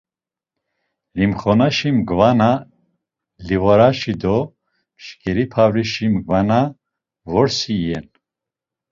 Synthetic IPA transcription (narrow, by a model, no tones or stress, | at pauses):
limχɔnaʃimɡvana | livɔɾaʃid̪ɔ | mʃkʰʼɛɾipʰavɾiʃimɡvana | vɔɾsiːjɛn